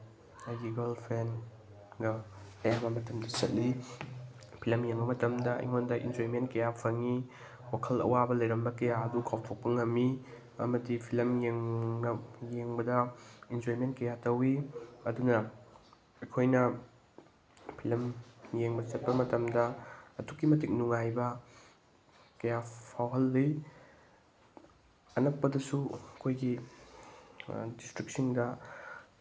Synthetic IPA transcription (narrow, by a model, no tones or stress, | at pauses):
ɐjɡiɡɐlpʰen | ɡɐɐjamɐmɐtɐmdɐt͡ʃɐt̚li | pʰilɐmjeŋbɐmɐtɐmdɐ̰ḭŋondɐʔḭnd͡ʒoimentkɐjapʰɐŋi | wakʰɐlɐ̰wabɐlɐjɾɐmbɐkɐjaɐdukʰawtʰok̚pɐŋɐmːi | ɐ̰mɐdipʰilɐmjeŋɐjeŋbɐdɐind͡ʒoɾimentkɐjatɐwiɐdunɐ | ɐkʰojnɐ | pʰilɐmjeŋbɐt͡ʃɐt̚pɐmɐtɐmdɐɐtukːimɐtik̚nuŋajbɐ | kɐjapʰawɦɐlːi | ɐnɐk̚pɐdɐsuɐkʰojɡi | distɾik̚siŋdɐ